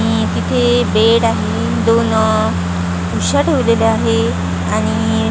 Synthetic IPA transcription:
i | t̪it̪ʰebeɽaɦe | d̪on | uɕəʈʋileləaɦe | aɽ̃i

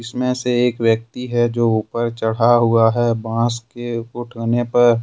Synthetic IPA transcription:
ɪsmẽseeːkʋjək̚t̪iɦɛd͡ʒoːuːpəɾt͡ʃɐɽ̤aɦuaɦɛbãːskeʊʈʰəːnepɐɾ

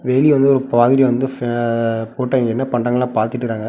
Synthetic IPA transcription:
ʋeːliʋɐnd̪ɯɔɾɯpaːðɪɾiʋɐnd̪ɯ | poːʈːɐŋɡɛnːɐpɐɳɖɐŋɐɭãːpaːɾt̪ɯʈːɯkɾaːŋɡɐ

